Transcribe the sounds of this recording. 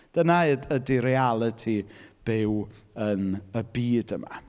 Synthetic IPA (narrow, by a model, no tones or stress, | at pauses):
d̥ənadədiɾɛalˠətʰib̥ɪwənəbiːdəma̰